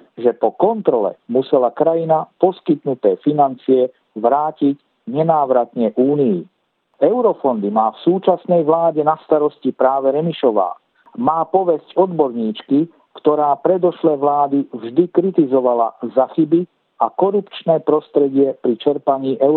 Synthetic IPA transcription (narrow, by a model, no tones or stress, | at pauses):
ʒɛpɔkɔnt̪ɾɔlɛ̰musɛlakɾajinapɔskit̪nut̪ɛːfinant͡siɛ | ʋɾaːcic | ɲɛnaːʋɾat̪ɲɛʔuːniji | ɛʊɾɔfɔnd̪imaːfsuːt͡ʃasnɛjʋlaːɟɛnast̪aɾɔscipɾaːʋɛɾɛmiʃɔʋa̰ː | maːpɔʋɛscɔd̪bɔɾɲiːt͡ʃki | kt̪ɔɾaːpɾɛd̪ɔʃlɛːʋlaːd̪ivʒd̪ikɾit̪izɔʋala̰zaxibi | akɔɾupt͡ʃnɛːpɾɔst̪ɾɛɟɪɛpɾit͡ʃɛɾpaɲiːʔɛʊ